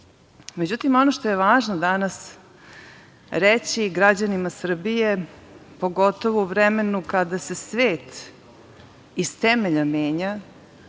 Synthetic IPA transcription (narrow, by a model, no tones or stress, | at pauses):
med͡ʑut̪imo̞noʃt̪o̞jeʋaːʒnod̪anas | ɾet͡ɕiɡɾad͡ʑanimasr̩bije̞po̞ɡo̞t̪o̞ʋouʋɾɛme̞nukad̪ase̞sʋeːt̪ | ist̪ɛmeʎameːɲa